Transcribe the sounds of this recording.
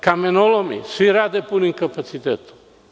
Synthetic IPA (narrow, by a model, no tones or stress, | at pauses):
kamenolomḭsiɾad̪epuniŋkapat͡sit̪et̪